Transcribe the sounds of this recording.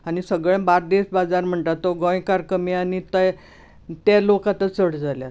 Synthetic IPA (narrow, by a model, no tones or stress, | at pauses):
aɽ̃isəɡɭẽbaɾd̪esbad͡zaɾm̤əɳʈ̪at̪ːoɡɔ̃jkaɾkəmianit̪əj | t̪alokat̪ət͡səɽd͡zaljat